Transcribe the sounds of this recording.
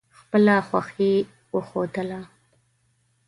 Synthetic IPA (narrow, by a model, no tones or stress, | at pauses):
xpəlaχwʷaxi | wəxod̪əla